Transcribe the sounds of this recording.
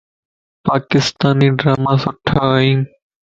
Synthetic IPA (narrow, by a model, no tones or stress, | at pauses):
pakist̪aniɖɾamasɔʈʰːaain